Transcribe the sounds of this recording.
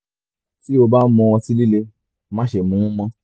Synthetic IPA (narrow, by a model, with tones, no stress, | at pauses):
ti˦o˧ba˦mɔ̃˧wɔ̃˧si˦li˦le˧ | mã˦ʃe˨mũ˨˦ũ˦mɔ̃˦